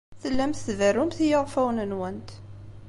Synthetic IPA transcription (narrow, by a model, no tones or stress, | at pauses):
θəlːæmθθværːʊmθijəʁfæwnənwænt̪